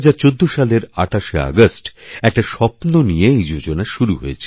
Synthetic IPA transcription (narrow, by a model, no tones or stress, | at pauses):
ad͡ʑaɾt͡ɕod̪ːoʃaleɾa̰ʈaʃea̰ɡosʈɛk̚ʈaʃɔpnonijeejd͡ʑod͡ʑonaʃuɾuɦo̰jet͡ɕʰe